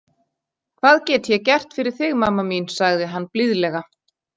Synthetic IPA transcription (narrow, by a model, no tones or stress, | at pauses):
kʰv̥aːðcɛːt̪çɛcɛr̥t̪fɪɾɪɾ̥θɪɣmamːaminsaɣðɪɦanːplɪðlɛɣa